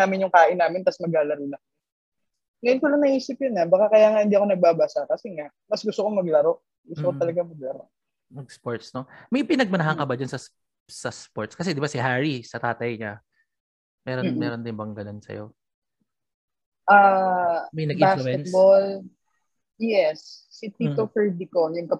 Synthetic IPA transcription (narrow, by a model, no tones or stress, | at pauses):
aːmɪnjʊŋkaːʔɪnːaːmɪnt̪ɐsmɐɡaːlɐɾilɐŋ | ŋɐjʊnkolɐŋnɐʔiːsɪp̚jʊnɐbɐkakɐjaːŋɐhɪnd̪iːʔɐko̞nɐɡ̚baːbasakɐsɛŋaʔmɐsɡʊst̪okomɐɡlɐɾo̞ʔ | ɡʊst̪okot̪ɐlɐɡamɐɡ̚lɐɾo̰ʔ | mɐɡ̚spoɹt̪snomɐjpɪnɐɡ̚mɐnɐɦɐŋkɐbad͡ʒansɐs | sɐspoɹt̪̚skɐs̬ɛd̪ɪbasɪɦaɹisɐt̪aːt̪ɐjɲa | mɛːɾnmɛːɾond̪ɪnbɐŋɡɐnonsɐ̰jo̞̰ | ʔaːmɐjnɐɪbaskɛt̪̚bol | jɛsːit̪iːt̪ofɛɹd̪ikojʊŋkɐ